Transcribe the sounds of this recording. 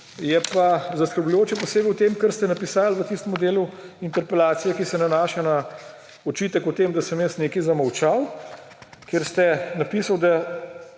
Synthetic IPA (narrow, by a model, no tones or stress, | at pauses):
jɛpazɐskəɾblujoːt͡ʃɛpɔseːbɛwt̪eːmkəɾst̪ɛnapisaːlʋət̪ist̪əmɔd̪eːluint̪ɛɾpɛlaːt̪sijɛkisɛnanaːʃana | ɔt͡ʃiːt̪əkut̪eːmd̪asəmjəst̪neːkizamɐwt͡ʃaw | keːɾst̪ɛnapisawd̪a